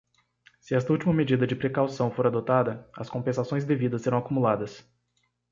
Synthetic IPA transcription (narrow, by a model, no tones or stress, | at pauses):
sɪɛst̪ɐuwt͡ʃimɐmed͡ʒid̪ɐd͡ʒɪpɾekawsɐ̃w̃foɾad̪ot̪ad̪ɐɐskõmpẽsasõj̃zd̪evid̪ɐseɾɐ̃w̃akumulad̪ɐs